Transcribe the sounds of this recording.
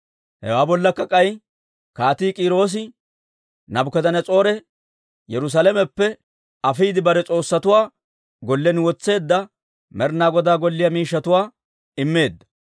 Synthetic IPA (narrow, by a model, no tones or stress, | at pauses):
hɛ̰waːbɔlːɐkːɐkʼɐj | kaːt̪iːkʼiːɾo̞ːs̬ɪ | nɐbʊkɛd̪ɐnɛt͡sʼo̞ːɾɛ | jɛɾʊs̬alɛmɛpːɛ | ɐfiːd̪ɪbɐɾɛt͡sʼo̞ːsːɐt̪ʊwaː | ɡɔlːɛnwɔt͡sːe̞ːd̪ːɐ | mɛɾnaːɡɔd̪aːɡɔlːɪjɐmiːʃːɐt̪ʊwaː | ɪmːe̞ːd̪ːɐ̥